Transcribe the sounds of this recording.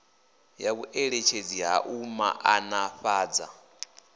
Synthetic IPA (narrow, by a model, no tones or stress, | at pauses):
jaβuʔeɺet͡ʃʰed͡ziɦa̰ʔuma̰ʔanaɸaːd͡za̰